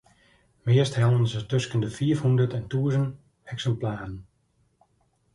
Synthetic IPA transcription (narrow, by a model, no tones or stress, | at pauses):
mɪəsthɛlˠənsətøskəndəfiːəfhundərtɛntuəzən | ɛksɛmplaːrən